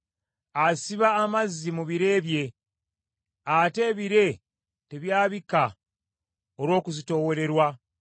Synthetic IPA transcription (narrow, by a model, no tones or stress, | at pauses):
asiβaːmazːimuβiɾe̞ːβje̞ | ate̞ːβiɾe̞ | te̞βjaːβika | oɾwo̞ːkuzito̞wo̞ɾe̞ɾwa